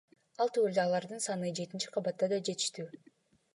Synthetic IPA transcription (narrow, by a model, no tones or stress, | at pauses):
ɑlˠt̪ʰyeld̪eɑlˠɑɾd̪ɯnsɑnɯd͡ʒe̞t̪int͡ʃi̥qʰɑβɑt̪ːɑd̪ɑd͡ʒe̞t̪i̥ʃt̪yː